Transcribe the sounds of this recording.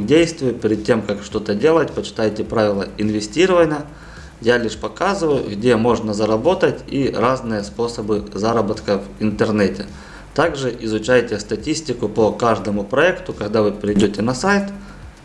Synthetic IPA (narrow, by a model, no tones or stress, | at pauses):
dʲejst̪vʲɪjʊpʲɪɾʲɪd̪̚tʲːe̞mkakʂt̪o̞t̪ədʲe̞lˠətʲpət͡ɕɪ̥t̪ajtʲɪpɾavʲɪlˠəɪnvʲɪsʲtʲiɾəvənʲɪjə | jalʲiʂpɐkazɨvəjʊ̰ɡdʲe̞mo̞ʐnəzɐɾɐbo̞t̪ətʲiraznɨjəspo̞səbɨzaɾəbət̪kəvɪnt̪ɨrnɛtʲɪ | t̪aɡʐɨʔɪzʊt͡ɕæjtʲɪst̪ɐtʲisʲtʲɪkʊpəkaʐd̪əmʊpɾɐɛkt̪ʊkɐɡd̪avɨpʲɪɾʲɪjdʲotʲɪnɐsajt̪